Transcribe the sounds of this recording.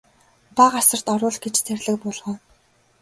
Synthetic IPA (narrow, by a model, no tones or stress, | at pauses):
paɢasə̆r̥t̪ɔɾʊːɮɡet͡ɕt͡sʰærʲɮɘ̆k̚pʊːɮʁɔ̆ː